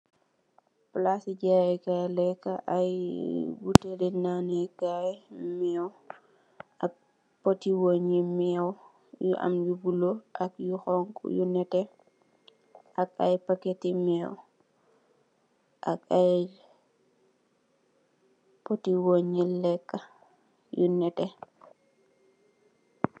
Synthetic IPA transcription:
plasiɟajɛkalɛkːaʔajbutedinanɛkajmɛw | ʔak̚ | potiwoɲimɛw | juʔa̰mjubuloʔakjuxɔŋkjṵnɛtɛ | ak̚a̰jpaketimɛːw | ʔakaj | potiwoɲilɛkːa | junɛtɛ

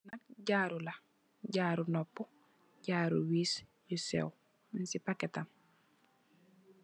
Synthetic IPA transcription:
nak̚ɟaɾula | ɟaːɾunɔpːɔ | ɟaːɾṵwisjusḛw | minsipaketam

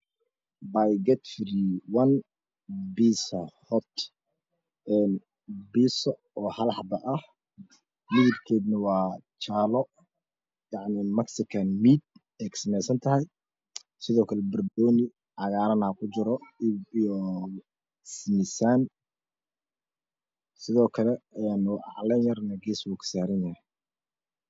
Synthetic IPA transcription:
bajɡɛt̪fɾiwɐn | biːsɐhɔt̪ | ɛn | bisɔ | ɔːhɐlħɑb̪ɐʔɐh | mɪðɪbkʰɛːd̪nɐwɑːt͡ʃaːlɔ | jɑʕnɪmɐksɪkʰɐnmiːd̪̚ | ɛjkʰɐ̥sɐmɛjsɐnt̪ʰɐɦɐj | sɪðɔːkʰɐlɛbɪrdɔːnɪ | ʕɑɣaːɾɐnaːkʰʊt͡ʃɪɾɔijɔ | smɪsaːn | sɪðɔːkʰɐlɛɛnːʔɑ̰ʕlɛnjɐrnɐɡiːswuːkʰɐ̥saːɾɐnjɐhɛj

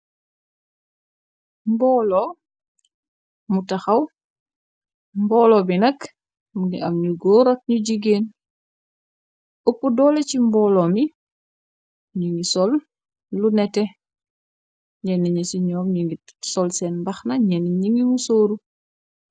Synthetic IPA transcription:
mbɔːlɔ | mutɐxɐw | mbɔːlɔbinɐk | muɡiʔɐmɲuɡɔːɾɔt̚ɲuɟiɡeːn | upːudɔlɛcimbɔːlɔmi | ɲiŋɡisɔlː | unɛtɛ | ɲɛniɲisiɲɔːmɲiŋisɔlsɛːnbɐxnɐɲɛniɲiŋimusoːɾu

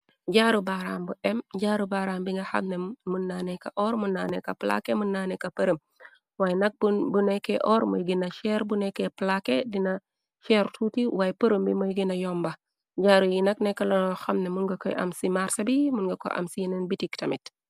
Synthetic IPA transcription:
ɟaːɾubaːɾaːmbuɛmɟaːɾubaːɾaːmbiŋɡɐxa̰mnemunːanɛkɐ̰ʔɔɾmunːanɛkɐpla̰kemunːanɛkɐpəɾəm | wajnɐk̚bubunɛkɛʔɔɾmo̰jɡinɐʃɛɾbunɛkeplakedinɐ | ʃɛɾtʰutiwajpəɾəmbimojɡinɐjɔmbɐ | ɟaːɾujinɐknɛkːɐlɔxɐmnɛmunɡɐkɔ̰jʔɐ̰msimaɾsɐbimunɡɐkɔ̰ʔɐ̰msijinɛnbitiktɐmit

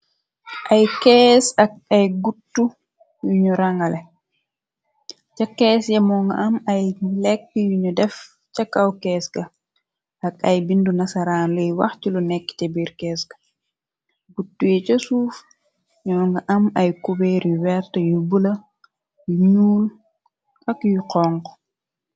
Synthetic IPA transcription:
ʔajkɛːsak̚ajɡutːu | juɲɔɾaŋɡalɛ | t͡ʃakːɛsjamɔŋɡa̰ʔamajlɛk̚ːijuɲɔdɛf | t͡ʃakːawkɛːsɡa | ɐk̚ɐjbindunɐsɐɾaːnlujwɐ̰xcilunɛkːi̥tɛbiɾkɛːskɐ̥ | ɡutːujɛt͡ʃosuːf | ɲɔŋɡɐʔɐmɐjkubɛːɾjuwɛɾtəjubulɐ | juɲuːl | ʔɐkjuqɔŋk

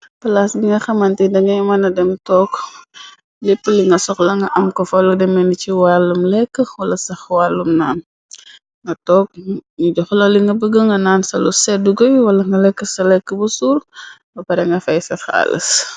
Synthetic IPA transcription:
pɐlasɡiŋɡɐxɐmɐntidɐŋɡɐmɐnɐdɛmtɔːk | lipːəliŋɡɐsɔklɐŋɡɐʔɐmkɔfɐludɛmɛniciwalumlɛkːəwɐlɐsɐxwalːumnaːn | ŋɡɐtɔːk̚ɲiɟɔxlɔliŋɡɐbəɡəŋɡɐnaːnsɐlusɛduɡɔjwɐlɐŋɡɐlɛkːəsɐlɛkːəbɐsuːɾbɐpɐɾɛŋɡɐfɐjsɐxa̰ːlə̰s

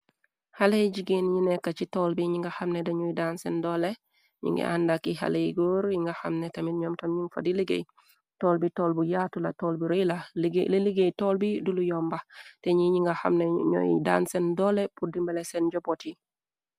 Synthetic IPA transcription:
halejɟiɡenjinekːat͡ʃitolbiɲiŋɡaxamnedeɲɔjidansendole | ɲḭŋɡḛʔa̰ndakiɦa̰lejɡoɾjiŋɡaxamnetɐmitɲɔːmtɐmɲiŋfa̰diliɡḛj | toːlbitoːlbujatulatoːlbiɾojlaɡleliɡejtoːlbidulujɔmbateɲiɲiŋɡaxa̰mneɲɔ̰jḭda̰ːnsendɔlepudimbelesenɟoboti

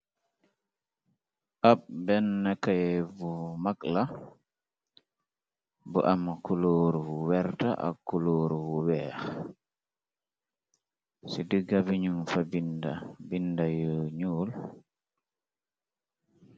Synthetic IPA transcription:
ʔabbɛnːakajɛvumakla | bɔ̰ʔamakuloːɾuwuwɛɾtaʔa̰kːuloːɾuwuwɛːx | sidiɡabiɲunfabindabindajɔɲuːl

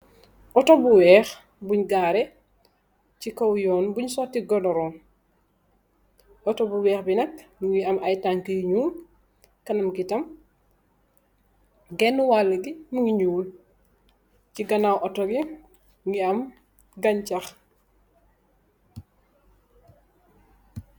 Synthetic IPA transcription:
ʔɔtɔbuwɛːx | buɲɡaːɾɛ | cikɔwjɔːnbuɲsɔtiɡɔdɔɾɔːn | ʔɔtɔbuwɛːxbinɐknuŋɡiɐmɐjtaŋkəjɲuːn | kɐnɐmɡitɐm | ɡɛnːuwalːɐɡimuŋiɲuːl | ciɡɐnawʔɔtɔɡi | ŋɡiɐm | ɡɐɲt͡ʃɐx

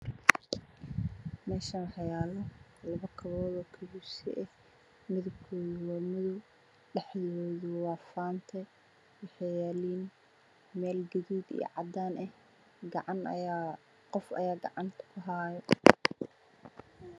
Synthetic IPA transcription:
mɛːʃɐnħɑjaːlɔlɐβɐkʰɐβɔːðɔːkʰɐbuːsɪ̰ʔɛh | mɪðʊkʰɔːðwɔmɐðʊ | ɖɛħjɪwɔːðʊwɑːfaːnt̪ʰɛ | wɑħɛjɛːliːn | mɛːlɡɐðiːd̪ḭj̰ʕɑd̪aːnʔɛh | ɡɑʕɑnː | qɔfɐ̰jaːɡɑ̰ʕɑnt̪ʰɐ̥kʰʊɦaːjɛ

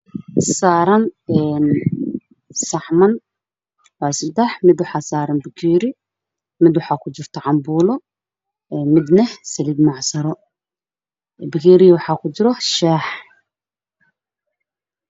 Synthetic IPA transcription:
saːɾɐnɛːn | sɐʕmɐn | wɑːsɪd̪ɛħmɪd̪wɑħɑːsaːɾɐnbɪkʰiːɾɪ | mɪd̪wɑħɑːkʰʊt͡ʃɪrt̪ʰɔʕɑmbuːlɔ | ɛmɪd̪nɛhsɐliːd̪mɑʕsɐɾɔ | bɪkʰiːɾɪwɑħɑːkʰʊt͡ʃɪɾɔʃaːħ

